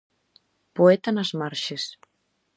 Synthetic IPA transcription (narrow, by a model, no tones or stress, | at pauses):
poet̪anɐzmaɾʃes